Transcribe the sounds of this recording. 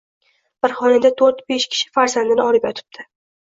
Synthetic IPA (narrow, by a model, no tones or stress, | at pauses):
b̥ɪɾχɒnad̪at̪ʰoɾt̪beʃkʲʰɪ̥ʃɪ̥faɾzand̪ɪnɪɒlɪpjɒt̪ʰɪ̥b̚d̪̥ʰɪ